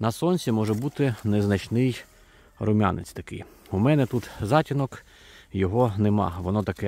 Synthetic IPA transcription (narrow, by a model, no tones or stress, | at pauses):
nɐsɔnʲsʲimɔʒɛbut̪ɪneznɐt͡ʃnɪj | rʊmʲa̰nḛt͡sʲt̪ɐkɪ̰j | umɛnɛt̪ut̪zɑtʲinɔk | jɔɦɔnemɑ̰ʋɔnɔt̪ɐkɛ